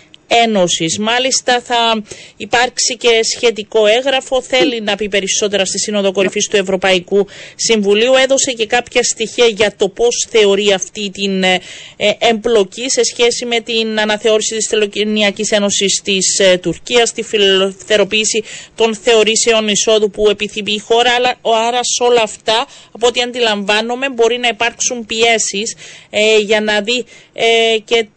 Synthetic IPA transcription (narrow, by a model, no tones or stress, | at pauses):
e̞no̞sismɐlist̪ɐθɐipɐɾksice̞sçe̞t̪̬iko̞e̞ŋɣɾɐfo̞θe̞linɐpipe̞ɾiso̞t̪e̞ɾɐst̪isino̞ðo̞ko̞ɾifist̪ue̞vɾo̞pɐikusiɱvuliue̞ðo̞se̞ce̞kɐpçɐst̪içiɐʝɐt̪o̞po̞sθe̞o̞ɾiɐft̪it̪in | emblo̞cise̞sçe̞sime̞t̪inɐnɐθe̞o̞ɾisit̪isθeloniɐcise̞no̞sist̪ist̪uɾciɐst̪ifiθe̞ɾo̞piːsit̪o̞nθe̞o̞ɾise̞o̞niso̞ðupue̞piθimixo̞ɾɐlɐɾɐso̞lɐːft̪ɐːpot̪iɐnd̪ilɐɱvɐnome̞mbo̞ɾinɐipɐɾksumpie̞sis | ʝɐnɐði | ce̞